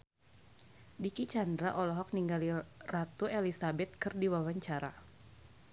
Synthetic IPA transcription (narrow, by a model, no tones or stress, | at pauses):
dikit͡ʃandɾaʔɔlɔɦɔk̚niŋɡalirat̪uelisabɛt̪̚kɨrdiwawaɲt͡ʃaɾa̰